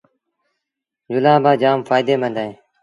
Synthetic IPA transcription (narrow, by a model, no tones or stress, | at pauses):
d͡ʒʊlaːbaːd͡ʒaːmfaːjd̪eːmənd̪aẽː